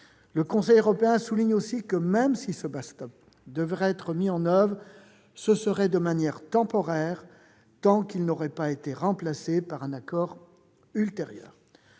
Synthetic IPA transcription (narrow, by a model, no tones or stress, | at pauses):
ləkɔ̃sɛjøʁɔpeɛ̃suliɲosikəmɛmsisəbast̪ɔp̚ | d̪əvʁɛɛt̪χəmiɑ̃nœvʁ | səsəʁɛd̪əmanjɛʁt̪ɑ̃pɔʁɛʁ | t̪ɑ̃kilnɔʁɛpaet̪eʁɑ̃plasepaʁɛ̃nakɔʁ | ylt̪eʁjœ̰ːʁ